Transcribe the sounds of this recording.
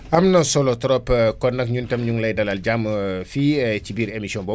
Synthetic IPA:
ʔɐmnɐsɔlɔtɾɔpkɔnːɐkɲuntɐmɲuŋlɐjdɐlalɟamfit͡ʃibiːɾemisiɔnbɔ

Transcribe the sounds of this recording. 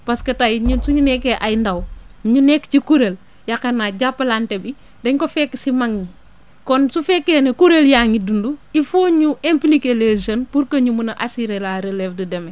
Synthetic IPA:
paskɐtajɲusuɲunekːeʔajndawɲunekːt͡ʃikuɾel | jakɐnːaɟapːɐlantebi | deɲkofekːsimaŋɲi | konsufɛkːenekuɾeljaːŋidunduifoɲuʔemplikeleʒɐnpuɾkɐɲumunɐʔasiɾelaɾelefdideme

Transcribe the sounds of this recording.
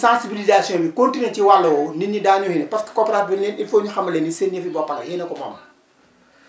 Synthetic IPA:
sãːsibilizaːsjɔ̃bikontineciwalːɐwɔniɲidaːɲuhinɐpɐskɐ̥kɔːpɛɾatbinːɛninfoːɲuxɐmːɐlɛnisenɲəfibɔpɐɾɐhenɐkɔmɐ̰mɐ

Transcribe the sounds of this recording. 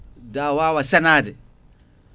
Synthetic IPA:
daːwaːwasɛnaːdɛ

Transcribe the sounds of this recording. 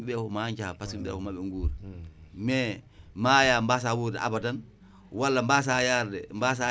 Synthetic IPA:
iɓɛfɔmaɲt͡ʃapasiɓɛ̰kɔmaɓɛŋɡuːɾmɛmaːjambas̬awuɾdɛ̰ʔa̰badan | walːambas̬ajaɾdɛmbas̬a

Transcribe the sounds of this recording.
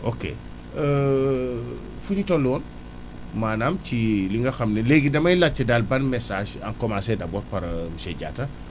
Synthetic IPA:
ʔokḛ | ə | fuɲitɔlɔːn | maːnamt͡ʃiliŋɡɐxɐmnɛleɡidɐmɐjlat͡ʃːɐdalbɐnmɛsaːʃa̰ŋkɔmasɛdabɔtpɐɾmʃɛɟa̰ːtɐ

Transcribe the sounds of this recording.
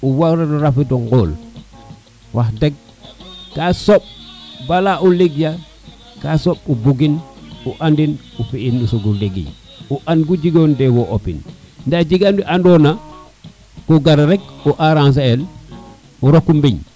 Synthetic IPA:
uwaɾeɾuɾafidoŋɡoːl | wʔahdeɡ̚ | kasop̚balaʔuliɡja | kasop̚ubuɡinuʔandin | ufiinusuɡuliɡḭɲ | uʔanɡuɟiɡondewoʔopḭnndaɟiɡandiʔandona | koɡaɾɾek̚uʔaɾans̬ael | uɾokːumbiɲ

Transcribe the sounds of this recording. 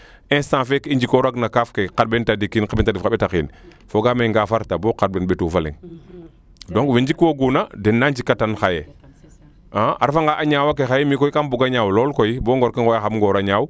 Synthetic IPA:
ɛ̃sãfekiɲd͡ʒikɔɾaɡnakafkeqad̚bɛntadikinkabɛntadifaɓɛtakiːn | foɡameŋɡafaɾtabɔkad̚bɛnbetufalḭŋ | dɔŋkwiɲd͡ʒikwoɡunadɛnːaɲd͡ʒikːatanxaje | aaɾfaŋɡaʔaɲawak̬exajɛmikɔikambuɡaɲawlɔlkojibɔːŋɡɔɾkaŋɡɔjaxamŋɡɔɾaɲaːw

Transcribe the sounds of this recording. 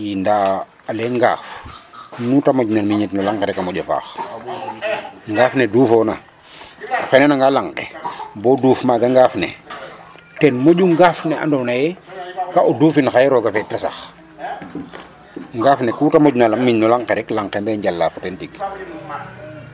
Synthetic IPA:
jindaː | alɛŋɡa̰ːf | nutamoɟnalmiɲitnulaŋkeɾɛkamɔɟofa̰ːx | ŋɡaːfnɛduːfɔːna | xɛnɛnaŋɡalaŋqḛbɔːduːfmaːɡaŋɡaːfnɛ̰ | tɛnmoɟuŋɡaːfnɛʔa̰ndɔnajɛkaʔoduːfinxajɛɾɔɡafɛtasa̰x | ŋɡaːfnɛkutamoɟnalamːiɲnɔlaŋkeɾɛklaŋkɛmbɛɲɟalːaːfutɛntik

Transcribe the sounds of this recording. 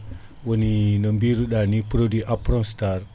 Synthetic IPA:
wəninəmbiɾuɗanipɾodiʔapɾɔŋstar

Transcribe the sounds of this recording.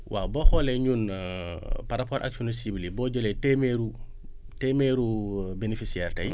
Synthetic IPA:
wʔabɔxɔlɛɲun | paɾapɔɾʔa̰ksonsibilibɔːɟɔlɛtemeɾu | tɛmeɾubenifisiɛːrtɐj

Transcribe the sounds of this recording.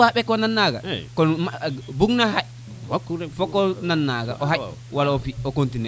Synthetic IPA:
aɓɛkːɔnanːaɡa̰kɔnmbuɡnaɦaj | fɔkːɔnanːaɡa̰ʔɔɦaj | walaɔfiɔkontinɛ

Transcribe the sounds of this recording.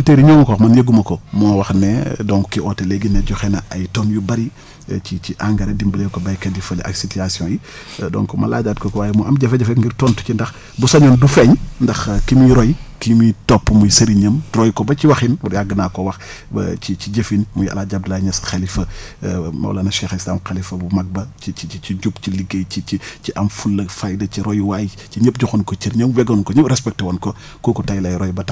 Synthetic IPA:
ilteːɾiɲoːmkɔːxmɐnjeɡumɐkɔmɔːwɐxnɛdɔŋkːiɔteleɡinːɛɟɔxɛnɐɐjtɔnjubɐɾi | t͡ʃit͡ʃiʔaŋɡɐɾedimbɐleːkobɐjkɐdifɐlɐ̰ksitiasjɔ̃ji | dɔ̰ŋkɔmɐ̰la̰ɟaːd̚kokɔwaːjmuɐmɟɐfɛɟɐfɛŋɡiɾtɔntu̥cindɐx | busɐɲɔːndufɛɲndɐxkimiɾɔjkimitɔpːmujsɐɾiɲəmdɾɔjkɔbɐt͡ʃiwɐxinwɐjaɡənaːkɔwɐx | bɐ̰t͡ʃit͡ʃiɟəfinmujɐ̰laɟab̚dɐlajɲɐsxelifɐ | mɐ̰w̰lɐnɐʃɛxislaːmxɐlifɐbumɐɡ̚bɐt͡ʃiiit͡ʃiɟupciliɡejt͡ʃit͡ʃit͡ʃiʔɐmfulːɐfajdɐciɾɔjwaːj | t͡ʃiɲəp̚ɟuxunkɔt͡ʃiɾɲəmwɛɡɔnkɔɲəɾɛspɛk̚twɔnkɔ | kɔːkɔtajlajɾɔjbɐtɐ

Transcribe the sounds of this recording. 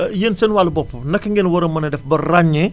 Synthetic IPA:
jensɛnwalɐbɔpːunɐkːɐŋɡenwɐɾɐmɐnɐdɛfbɐraɲːi

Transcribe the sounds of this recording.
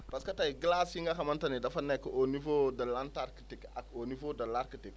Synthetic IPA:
pɐskɐtajɡəlasiŋɡɐxɐmɐntɐnidɐfɐnːekɐʔonivodɐlantaɾkə̥tikakonivodɐlaɾkətik

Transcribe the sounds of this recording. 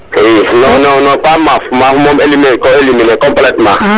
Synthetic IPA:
kinonɔnɔpamafumafumɔ̃melimɛ̃kɔelimĩnɛkɔ̃mplɛtma

